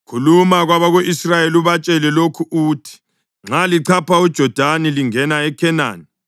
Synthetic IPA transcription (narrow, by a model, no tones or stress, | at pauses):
kʰulumaɣwaβaɣoʔisrajeluβat͡ʃʼɛlɛlokʰuuːtʰi̥ | ŋ͡ǁaliǀʰapʰaud̥ʒ̥ʱɔd̥ʱaniliŋɛnaɛkʰɛna̰ːni